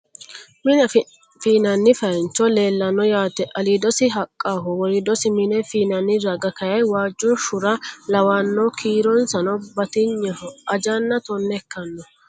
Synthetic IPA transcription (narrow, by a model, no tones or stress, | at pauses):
mɪnɐ | fiːnɐnːɪfɐnt͡ʃːɔle̞ːlːɐnːɔjaːt̪ɛʔɐlid̪ɔsɪɦɐkʼːaːɦɔwɔɾɪd̪ɔsɪmɪnɛfiːnɐnːɪɾɐɡɐkɐjɐjwaːd͡ʒːɔʃʊɾɐlɐwanːɔkʰiːɾɔnsɐnɔbɐt̪ɪɲːɐɔɐd͡ʒɐnːɐt̪ɔnːɛkːɐnːɔ